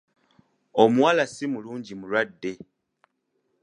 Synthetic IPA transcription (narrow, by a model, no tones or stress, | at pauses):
omuwaːlasimuluːɲɟimulwadːe̞